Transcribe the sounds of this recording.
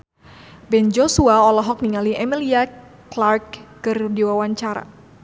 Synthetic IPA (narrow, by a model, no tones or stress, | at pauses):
bɛnd͡ʒosuaɔlɔɦɔk̚niŋaliʔɛmilia | klarkːɨrdiwawaɲt͡ʃaɾa̰